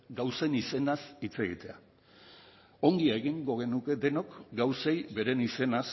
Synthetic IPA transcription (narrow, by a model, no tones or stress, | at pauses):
ɡawse̞nise̞nasit͡se̞ɣḭt̪e̞a | o̞ŋɡiaeɣiŋɡo̞ɣ̞e̞nuke̞d̪e̞no̞kɡawse̞jbe̞ɾe̞nise̞nas